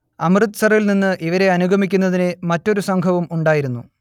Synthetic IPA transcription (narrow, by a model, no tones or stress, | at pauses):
ɐmrɨt̪ːsɐrɐilninːɨʔiʋɐɾe̞ɐnuɡʱɐmikʲːunːɐðinemɐtːo̞ɾusɐŋɡʰʱɐʋumuɳɖaːjiɾunːu